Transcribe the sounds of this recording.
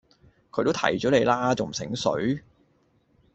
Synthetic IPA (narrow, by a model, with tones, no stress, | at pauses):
kʰɵ˧t̪t̪ʰɐ̰˨˩jt͡ʃɔː˨˥le˨˧jlaː˥t͡so˨wm̩˨˩sɪ̰˨˥ŋsɵ̰˨˥ɥ